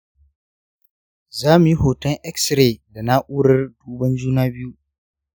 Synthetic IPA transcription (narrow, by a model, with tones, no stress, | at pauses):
zaː˦mu˨ji˦hoː˨tɐ˦ŋʔɛ˦ksɾeː˨da˨na˦ʔʷuː˦ɽɐ˦rduː˦bɐ˦nd͡ʒuː˦naː˦bɪ˦ju˦